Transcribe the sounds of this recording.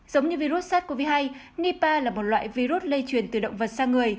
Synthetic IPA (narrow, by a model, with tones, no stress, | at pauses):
zə˨˦wŋ͡mɲɨ˧vi˧zu˦˥t̚saː˦˥t̚ku˧˩əvi˨˦ɦa˧j | ni˧paː˧laː˨˩mo˨˩t̚lwa̰ː˧˨jvi˧zu˦˥t̚lə˧jt͡ɕwi˨˩ənt̪ɨ˨˩ɗə̰˧˨wŋ͡mvə˨˩t̚saː˧ŋɨ˨˩əj